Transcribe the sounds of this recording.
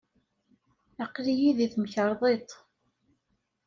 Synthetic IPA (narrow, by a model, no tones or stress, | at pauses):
aqːlijiðiθməçəɾˤðˤet̪ˤ